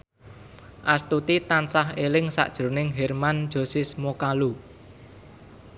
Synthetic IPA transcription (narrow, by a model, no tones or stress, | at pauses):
ʔast̪ut̪it̪ansaɦelɪŋsa̰ʔd̥ʒ̥ɾo̤nɪŋɦɛrmand̥ʒ̥o̤sismokalu